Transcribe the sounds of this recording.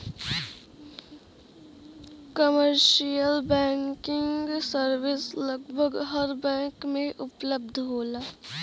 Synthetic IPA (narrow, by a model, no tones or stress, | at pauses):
kəməɾʃijəlbɛ̃ːŋkɪ̃ŋɡsəɾʋɪsləɡbʱəɡɦəɾbɛ̃ːkmẽʔʊpləb̚d̪ʱɦoːlaː